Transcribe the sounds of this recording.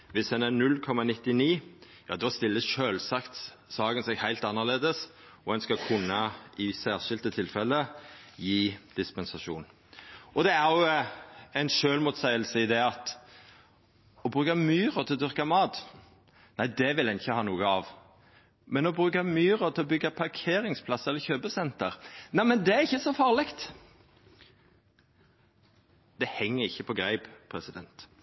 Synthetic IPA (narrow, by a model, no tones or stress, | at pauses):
ʋɪsɛnæɾnʉlːkʰɔmɑnɪt̪ːɪniː | jɑ̰ːd̪ɔst̪ɪlːəʃøːlsɑkt̪ | sɑːɡənsɛɡhæɪlt̪ɑnːəʁleːd̪əs | ɔɛnskɑkʰʉnːɑɪsæːʁʃɪlt̪ət̪ʰɪlfɛləjiːd̪̥ɪspɛnsɑʂuːn | ɔd̪ɛæʁjʊ | æɪnʃøːlmuːt̪sæɪəlsəɪd̪ɛɑt̪ | ɔbʁʉːkɑmyːʁət̪ʰɪlɔd̪ʏʁkɑmɑːt̪ | næɪd̪ɛʋɪlhænɪçːəhɑːnuːəɑʋ | mɛnɔbʁʉːkɑmyːɾət̪ʰɪlɔbʏɡɑpʰɑʁkʰeːɾɪŋspʰlɑsːəɛlːəçøːbəsɛnt̪əʁnæɪmɛnd̪ɛæɾɪçːəsɔfɑːʁlɪkt̪ | d̪̥ɛhɛŋːəɾɪçːəpʰɔɡɾæɪbpʰʁɛsɪd̪ɛ̰nt̪